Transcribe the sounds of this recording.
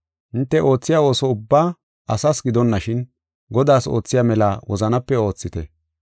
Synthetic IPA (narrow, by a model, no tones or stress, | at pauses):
ʔɪnt̪ːɛʔo̞ːt͡sːɪjaːo̞ːsɔʊbːaː | ɐsɐsɡɪd̪ɔnːɐʃɪn | ɡɔd̪aːso̞̰ːt͡sːɪjaːmɛlawɔ̰zɐnɐpːɛo̞ːt͡sːɪt̪ɛ̰